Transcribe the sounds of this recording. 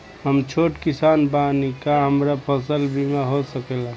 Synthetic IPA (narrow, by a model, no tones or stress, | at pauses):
ɦəmt͡ʃʰoʈkisanbanikaɦəmɾapʰəsəlbʱimaɦosəkɛla